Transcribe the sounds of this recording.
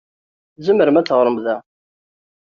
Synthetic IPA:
zəmːəɾmæt͡sːəʁɾˤəmðæ

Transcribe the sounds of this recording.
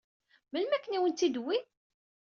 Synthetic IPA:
məlmækːəniwənt̪ːid̪wi

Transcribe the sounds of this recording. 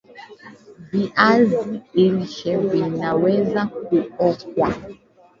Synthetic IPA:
biʔazieɾiʃɛbinawɛzakuɔk̚wa

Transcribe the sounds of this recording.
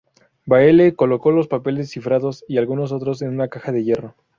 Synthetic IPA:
baele̞ko̞lo̞ko̞lo̞spape̞les̬ːifɾaðo̞sialɣuno̞s̬o̞t̪ɾo̞s̬e̞nunakaxaðe̞ʝe̞ro̞

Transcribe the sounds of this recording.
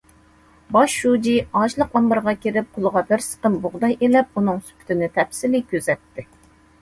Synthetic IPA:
bɑʃːud͡ʒiɑʃlˠəqɑmbəɾʁɑkʲʰiɾɪp̚qʰʊlˠəʁɑbɪɾsə̥qənbʊʁd̪ɑjelɛp̚unɨŋsy̥pʰy̥t̪ʰɪnɪt̪ʰɛpsilɪkʲʰøzɛt̪ːɪ

